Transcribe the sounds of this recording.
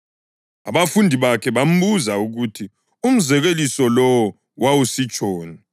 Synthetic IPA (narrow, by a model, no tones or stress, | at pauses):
a̰βafundʱiβakʰɛβam̩buzauɣutʰi | um̩zɛɣelisɔlɔwɔ | wawusit͡ʃʼɔːni